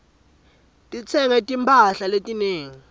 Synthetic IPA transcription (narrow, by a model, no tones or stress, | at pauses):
tʼit͡sʰɛŋɛtʼimpʰʼaɬaletʼineːŋi